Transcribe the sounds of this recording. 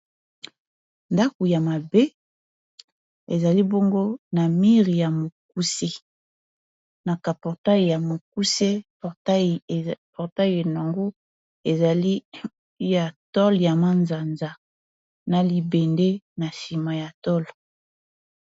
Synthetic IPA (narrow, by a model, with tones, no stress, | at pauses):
nda˦ko˨ja˨ma˨be˦ | e˨za˨li˦bo˦ŋɡo˦na˨mi˦ʁi˨ja˨mo˨k̚u˦se˦ | na˨ka˨pɔ˨ʁta˦ji˨ja˨mo˨k̚u˦se˦˨ | ta˦˨pɔ˨ʁta˦je˨na˨ŋɡo˦ | e˨za˨li˦ | ja˨tɔ˦lja˨ma˦nza˨nza˨ | na˨li˨be˨nde˦na˨si˨ma˨ja˨tɔ˦l